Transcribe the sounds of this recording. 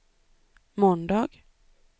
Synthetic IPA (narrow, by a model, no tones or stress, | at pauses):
mɔnd̪ɑːɡ̥